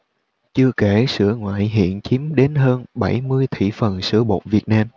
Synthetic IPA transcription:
t͡ɕɨ˧əke˧˩sɨ̰˧˩əŋwa̰ː˧˨jɦḭ˧˨ənt͡ɕi˨˦mɗe˨˦nɦəː˧nɓa˧˩jmɨ˧əjt̪ʰḭ˧˨fə˨˩nsɨ̰˧˩əɓo̰˨˩t̚vi˨˩ət̚naː˧m

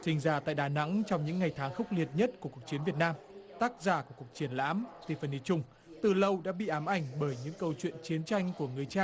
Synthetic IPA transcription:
t͡ɕï˧˩ŋ̟zaː˧˩t̪a̰ː˧˨jɗaː˨˩na̰˧˥ŋt͡ɕɔ˧wŋ͡mɲɨ̰˧˥ŋːa˨˩jt̪ʰaː˨˦ŋxə˦˥wk͡p̚li˨˩ət̚ɲə˦˥t̚ku˧˩əku˨˩ək̚t͡ɕi˨˦nvi˨˩ət̚naː˧m | t̪aː˦˥k̚zaː˧˩ku˧˩əku˨˩ək̚t͡ɕi˨˦ənla̰ː˧˥mt̪i˧˩fə˨˩nt̪i˧t͡ɕʊ˧ŋ͡m | t̪ɨ˨˩lə˧wɗa̰ː˧˥ɓḭ˧˨ʔaː˨˦mʔa˨˩jŋ̟ɓəː˧˩jɲɨ̰˧˥ŋkə˧wt͡ɕwḭ˧˨ənt͡ɕi˨˦ənt͡ɕa˧jŋ̟ku˧˩əŋɨ˨˩əjt͡ɕaː˧˩ŋ

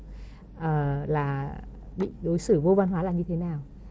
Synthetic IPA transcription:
ʔəː˨˩laː˨˩ | ɓḭ˧˨ɗo˨˦jsɨ˧˩vo˧va˧nɦwaː˨˦laː˨˩ɲɨ˧t̪ʰe˨˦naː˨˩w

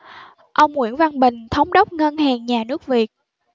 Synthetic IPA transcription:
ʔə˧wŋ͡mŋwḭ˧˩ənva˧nɓï˨˩ŋ̟t̪ʰə˨˦wŋ͡mɗə˦˥wk͡p̚ŋə˧nhaː˨˩ŋɲaː˨˩nɨ˦˥ək̚vi˨˩ət̚

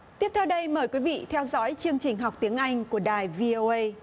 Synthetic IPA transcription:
t̪i˦˥əp̚t̪ʰɛ˧wɗə˧jməː˨˩jkwi˨˦vḭ˧˨t̪ʰɛ˧wzɔ̰˨˦jt͡ɕɨ˧əŋt͡ɕï˨˩ŋ̟ɦa˨˩k͡p̚t̪i˨˦əŋʔa˧jŋ̟ku˧˩əɗaː˨˩jvi˧o˧ʔə˧j

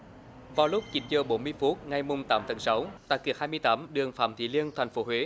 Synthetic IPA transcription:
vaː˨˩wlʊ˦˥k͡p̚t͡ɕi˨˦nzəː˨˩ɓo˨˦nmɨ˧əjfu˦˥t̚ŋa˨˩jmʊ˨˧˩ŋ͡mt̪aː˨˦mt̪ʰə˨˦nsa˨˦wt̪a̰ː˧˨ki˧˩ək̚hːjmɨ˧əjt̪aː˨˦mɗɨ˨˩əŋfaː˧˩mt̪ʰḭ˧˩li˧ənt̪ʰɛ˨˩jŋ̟fo˨˦ɦwe˨˦

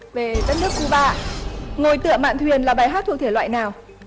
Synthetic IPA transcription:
ve˨˩zə˦˥nɨ˦˥ək̚ku˨˦ɓa̰ː˧˨ŋo˨˩jt̪ɨ̰˧˨əma̰ː˧˨t̪ʰwi˨˩ənlaː˨˩ɓaː˨˩jɦaː˦˥t̪ʰu˨˩t̪ʰe˧˩wa̰ː˧˨jnaː˨˩w

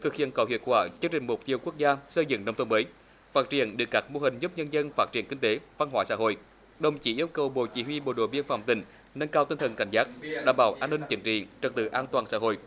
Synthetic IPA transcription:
t̪ʰɨ˨˩k̚hḭ˧˨ənkə˨˩whi˧˨ət̚kwaː˧˩t͡ɕɨ˧ŋt͡ɕï˨˩ŋ̟mu˨˩t̚t̪i˧əwku˦˥ək̚zaː˧sə˧jzɨ̰˧˨ŋnə˧wŋ͡mt̪ʰə˧məː˨˦j | faː˦˥t̚t͡ɕi˧˩ənɗɨ˨˩kaː˦˥k̚mo˧ɦï˨˩ŋ̟zu˦˥p̚ɲə˧nzə˧nfaː˦˥t̚t͡ɕi˧˩ənkï˧ŋ̟t̪e˨˦va˧nɦwaː˧˩jsa̰ː˧˥ɦo̰˧˨j | ɗə˨˩wŋ͡mt͡ɕi˧˥ʔi˧əwkə˨˩wɓo̰˧˨t͡ɕi˧˩hwi˧ɓo̰˧˩ɗo̰˧˩ɓi˧ənfa̰˧˩wŋ͡mt̪ï˧˩ŋ̟ | nə˧nkaː˧wt̪i˧nt̪ə˨˩nka̰˧˩ŋ̟zaː˦˥t̚ɗa̰ː˧˩mɓaː˧˩˦wʔaː˧nːï˧ŋ̟t͡ɕi˨˦ŋ̟t͡ɕḭ˧˨t͡ɕə˨˩t̚t̪ɨ̰˧˩ʔaː˧nt̪waː˨˩nsa̰ː˧˥ɦo̰˧˨j

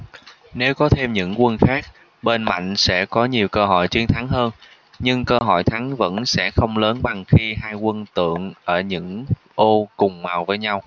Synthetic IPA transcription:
ne˨˦wkɔ˨˦t̪ʰe˧mɲɨ̰˧˥ŋkwə˧nxaː˦˥k̚ | ɓe˧nma̰˧˨jŋ̟sɛ̰˧˥kɔ˨˦ɲi˨˩əwkəː˧ɦɔ̰˧˨jt͡ɕi˨˦ənt̪ʰa˨˦ŋɦəː˧n | ɲɨ˧ŋkəː˧ɦɔ̰˧˨jt̪ʰa˨˦ŋvə̰˧˥nsɛ̰˧˥xə˧wŋ͡mləː˨˦nɓa˨˩ŋxi˧ɦaː˧jkwə˧nt̪ɨ̰˧˨əŋʔəː˧˩ɲɨ̰˧˥ŋ | ʔo˧kʊ˨˩ŋ͡mmaː˨˩wvəː˨˦jɲa˧w

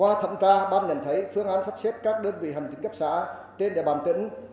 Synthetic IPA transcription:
waː˧t̪ʰə̰˧˨mtaː˧ɓaː˧nɲə˧˨˩nt̪ʰə˨˦jfɨ˧əŋʔaː˨˦nsa˦˥t̚se˦˥p̚kaː˦˥k̚ɗəː˧nvḭ˧˨ɦa˨˩jŋ̟t͡ɕ̪ï˨˦ŋ̟kə˦˥p̚sa̰ː˧˥ | t͡ɕe˧nɗe˨˧˩ɓaː˧˩nt̪ḭ̈˧˥ŋ̟

